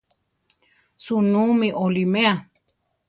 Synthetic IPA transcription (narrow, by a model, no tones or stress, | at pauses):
sunũmĩʔolimẽa